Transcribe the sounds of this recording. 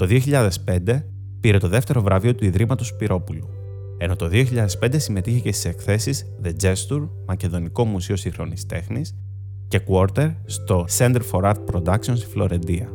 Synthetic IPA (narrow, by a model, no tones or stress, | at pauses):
t̪o̞ðioçiʎɐðe̞spe̞nd̪e̞ | piɾe̞t̪oðe̞ft̪e̞ɾo̞vɾɐvio̞t̪uiðɾimɐt̪o̞spiɾʔo̞pulu | e̞no̞t̪o̞ðioçiʎɐðe̞spend̪e̞sime̞t̪içecest̪i̥se̞kθe̞siz | ðe̞d͡ze̞st̪uɾ | mɐce̞ðo̞niko̞musio̞siŋxɾo̞nist̪e̞xnis | ce̞kuoɾt̪e̞ɾst̪o̞se̞nd̪eɾfo̞ɾɐd̪̚pɾo̞d̪ɐksio̞nsi̥flo̞ɾe̞nd̪iɐ